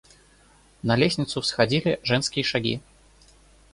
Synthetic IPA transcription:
nɐlʲesʲnʲit̪sʊsxad͡zʲilʲiʐɛnskʲijɐʂaɡʲḭ

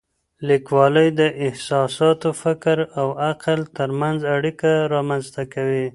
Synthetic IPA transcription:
likwɑləjd̪əʔɪhsɑsɑt̪ofɪkɾawaqlt̪əɾmanzaɽikaɾɑmanzt̪akawi

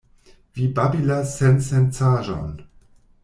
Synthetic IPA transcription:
vibabilasɛnsɛnt͡saːʒa̰n

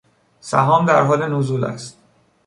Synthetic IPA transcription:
sæ̰ɦɒːmd̪æɾɦɒːlenozuːlæ̰st̪̚

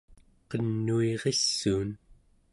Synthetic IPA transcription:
qʌnːueʁesːuːn

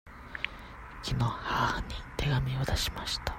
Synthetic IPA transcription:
kʲʰino̞haːɲit̪ʰe̞ɡamʲiod̪aɕi̥maɕi̥t̪ḁ

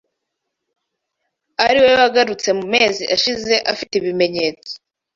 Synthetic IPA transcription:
aɾiwe̞joaɡaɾut͡se̞mumeːziʔaʃize̞ʔafiteβime̞ɲe̞ːt͡so̥

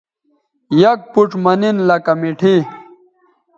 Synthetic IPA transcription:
jɐk̚puʈ͡ʂmɐninlɐkɐmiʈʰi

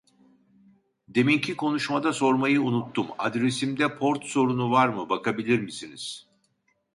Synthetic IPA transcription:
d̪e̞mincʰikʰo̞nuʃmad̪aso̞ɾmajɯunut̪ʰːuma̰d̪ɾe̞simd̪ɛpʰo̞ɾt̪so̞ɾunuvaɾmɯbakabilʲiɾmisiniz̥

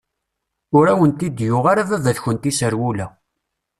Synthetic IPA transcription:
ʊɾæwənt̪id̪jʊʁaɾaðæðæðçənt̪isəɾwulæ

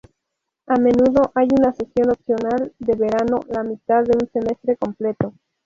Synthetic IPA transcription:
ame̞nuðo̞ʔajunase̞sjo̞nopsjo̞nald̪e̞βe̞ɾano̞lamit̪aðːe̞unse̞me̞st̪ɾe̞ko̞mple̞t̪o̞

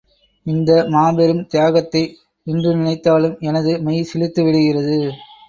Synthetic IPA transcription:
ɪnd̪ɐmaːbɛɾɯmt̪ɪjaːɣɐt̪ːɐɪ | ɪndrɯnɪnɐɪt̪ːaːlɯmɛnɐðɯmɐjsɪlɪt̪ːɯʋɪɽɯɣɪrɐðɯ

